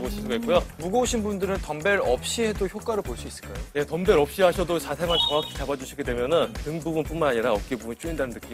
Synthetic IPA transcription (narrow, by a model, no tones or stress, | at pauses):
boɕʰisʰuɡaik͈ujomuɡʌuɕʰinbundɯɾɯntʌmbe̞ɾʌp̚ɕ͈iɦe̞doçjok͈aɾɯɭboɭs͈uis͈ɯɭk͈ajoje̞tʌmbe̞ɾʌp̚ɕ͈iɦaɕʰʌdot͡ɕasʰeŋant͡ɕʌŋakʰi̥t͡ɕabad͡ʑuɕʰiɡe̞dwe̞mjʌnɯntɯŋbubunp͈unmanaɲiɾaʌk͈ebunt͡ɕ͈uindanɯnɯk͈im